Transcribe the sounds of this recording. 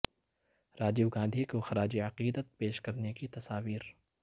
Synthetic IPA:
ɾaːd͡ʒibɡãːnd̪ʱikoxɐɾaːd͡ʒiɐqiːd̪ət̪̚peːʃkɐɾnekit̪ɐsaːʋiːɾ

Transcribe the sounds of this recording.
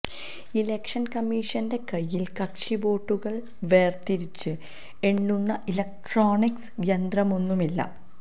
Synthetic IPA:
ilekʂɐnkɐmːiːʂɐnde̞kɐjːilkɐkʂiʋo̞ːʈːuɣɐɭ | ʋe̞ːrt̪iɾit͡ɕːɨ | e̞ɳːunːɐʔilɐk̚ʈroːɳiksjɐnd̪rɐmo̞nːumilːɐ̰

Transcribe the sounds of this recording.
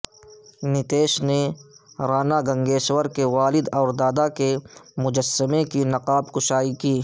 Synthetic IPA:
nɪt̪eːʃne | ɾaːnaɡɐ̃ŋɡeːʃwəɾkeʋaːlɪd̪ɔːɾd̪aːd̪akemʊd͡ʒəsːəmẽkinɐqaːbkʊʃaːikiː

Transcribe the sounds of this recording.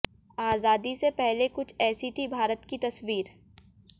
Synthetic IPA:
aːzaːd̪isepɛɦlekʊt͡ʃʰɛːsit̪ʰibʱaːɾət̪kit̪ɐswiːɾ

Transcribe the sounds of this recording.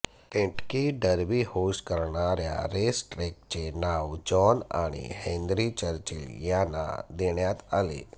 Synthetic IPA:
kẽʈkiɖəɾbihoskəɾɳaɾja̰ɾesʈɾek̚t͡ɕenaʋd͡ʑɔna̰ɽ̃ḭhẽnd̪ɾit͡ɕəɾt͡ɕiljana̰d̪eɳjat̪alḛ

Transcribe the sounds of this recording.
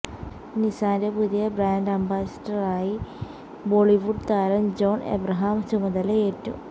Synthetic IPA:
nisaːndepuðijɐbraːnɖɐmbaːsɐ̥dɐraːji | boːɭiʋuɖt̪aːɾɐmd͡ʑoːnḛbrɐɦaːmt͡ɕumɐðɐleeːtːṵ

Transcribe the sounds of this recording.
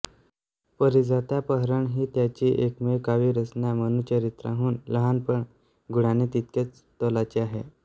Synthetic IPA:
pəɾid͡zat̪japəɦɾəɳɦiːt̪jat͡ɕiːʔekmekaʋiːɾəsɳjamənuːt͡ɕəɾit̪ɾa̰ɦuːnləɦanpəɳ | ɡuɽanet̪it̪̚ket͡s | t̪ɔlat͡ɕiaɦe

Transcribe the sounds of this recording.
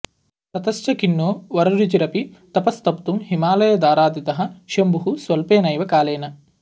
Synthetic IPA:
sɐt̪ɐst͡ʃɐkinːoːʋɐɾɐɾit͡ʃiɾɐpit̪ɐpɐst̪ɐpt̪umɦimaːlɐjɐd̪aːɾaːd̪it̪ɐɦɐ̆ʃɐmbuɦusʋɐlpeːnɐjʋɐkaːleːnɐ

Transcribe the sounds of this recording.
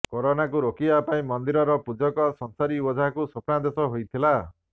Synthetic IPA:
kɔɾonakuɾokibapaĩmɔnd̪iɾɔɾɔpud͡ʒɔkɔsɔnsaɾiwɔd͡ʒʱakusɔpnad̪esɔɦojt̪ʰila

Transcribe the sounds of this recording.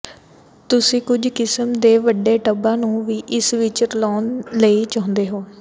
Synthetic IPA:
t̪ʊsĩːkʊd͡ʒkɪsəmd̪eːʋəɖeːʈəbãːnũːʋiːʔɪsʋɪt͡ʃɾlɔːnləiːt͡ʃãɦnd̪eːɦoː

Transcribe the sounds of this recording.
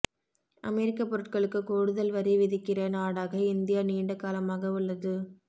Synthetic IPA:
ʔɐ̰mɛɾɪkːɐpːɔɾɯʈ̚kɐɭɯkːɯkoːɻɯðɐlʋɐɾiʋɪðɪkːɪrɐnaːɽaːɣɐɪnd̪ɪjaːniːɳɖɐkːaːlɐmaːɣɐʊɭːɐðɯ

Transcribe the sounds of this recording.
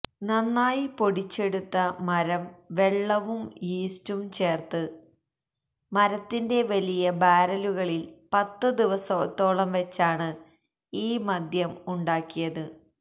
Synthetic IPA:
nɐnːaːjipo̞ɽit͡ɕːe̞ɽut̪ːɐmɐɾɐmʋe̞ɭːɐʋumiːstumt͡ɕe̞ːrt̪ɨ | mɐɾɐt̪ːinde̞ʋɐlijɐbaːɾɐluɣɐɭilpɐt̪ːɨd̪iʋɐsɐːt̪ːo̞ːɭɐmʋe̞t͡ɕːaːɳɨ | iːmɐd̪ʱjɐmuɳɖaːkːijɐðɨ

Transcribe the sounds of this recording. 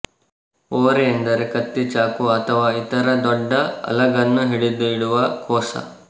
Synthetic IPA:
oːɾeend̪ɐɾekɐt̪ːit͡ʃaːkuɐt̪ʰɐʋaːit̪ɐɾɐd̪ɔɖːɐɐ̰lɐɡɐnːuɦiɽid̪uiɽuʋɐkɔːsɐ̰

